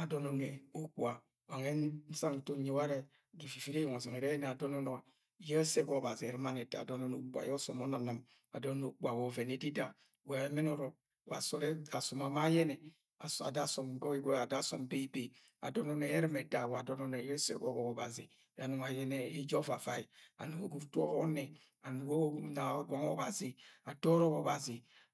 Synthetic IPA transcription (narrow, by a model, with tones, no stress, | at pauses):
a˨dɔ˦nɔ˨ne˨o˦k͡pwa˨ | wa˨ŋe˦n˦n̩˦sa˦ŋ̩˨to˦ɲe˦wa˦ɾe˦˨ | ɡi˨fi˨fi˦ɾe˦jɔ˨ŋɔ˨zɔ˨ŋe˨ɾe˦jɛ˦ne˨a˨dɔ˦nɔ˦nɔ˨ | je˦se˦ɡɔ˨ba˨zi˨e˨ɾi˦ma˦ne˨da̰˨do˦nɔ˦no˨k͡pʷa̰˨jɔ˦sɔ˨mɔ˦na˨na˨m | a̰˨dɔ˦n˦no˨k͡pu˦a˨wɔ˨ve˨ne˨˦di˦da˨ | wa˨e˦me˦nɔ˨ɾɔ˨ | wa˨sɔ˦a˨so˨ma˨ma˦jɛ˦nɛ˨ | a˨sa̰˨da˦sɔ˨m˨˦ɡɔ˦i˦ɡe˦a˨da˦sɔ̰˨mbe˦i˦be˨ | a̰˨dɔ˦no˦ne˨e˦ɾi˦me˨da˨wa˨dɔ˦nɔ˦ne˨je˦sḛ˦ɡo˦˨ɡɔ˨ko˨ba˨zi˨ | a˨nu˨ŋa˨jɛ˦ne˦i˦d͡ʒɔ˦va˨va˨i˨a̰˨nu˨ɡo˦ɡu˨ɾtu˦o˦ɔ˦ne˨ | a˨nu˨ɡo˦na˨ɡɔ˨˦ŋo˦ba˨zi˨a˨dɔ˦ɾɔ˦ko˨ba˨zi˨